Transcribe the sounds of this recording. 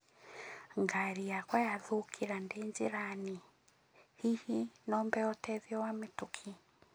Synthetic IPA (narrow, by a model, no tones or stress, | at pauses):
ŋɡaɾijakwɔjaðukʰiɾandeɲd͡ʒiɾani | hihinɔmbɛɔtɛðjɔwametukʰi